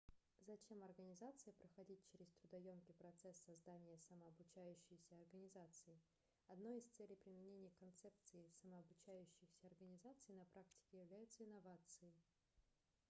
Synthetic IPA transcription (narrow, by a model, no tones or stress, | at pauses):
zɐt͡ɕʲe̞mɐrɡənʲɪzat̪sɨjəpɾəxɐdʲit̚ʲt͡ɕeɾʲɪst̪ɾʊd̪ɐjomkʲɪpɾɐt̪sɛsːɐzd̪anʲɪjəsɐməɐbʊt͡ɕæjʉɕːɪjsʲəɐrɡənʲɪzat̪sɨɪ | ɐd̪no̞jɪst̪sɛlʲɪjpɾʲɪmʲɪnʲenʲɪjəkɐnt̪sɛp̚t̪sɨɪsəməːbʊt͡ɕæjʉɕːɪjsʲəɐrɡənʲɪzat̪sɨɪnɐpɾʔaktʲɪ̥kʲɪjɪvlʲæjʊt̪səɪnɐvat̪sɨjɪ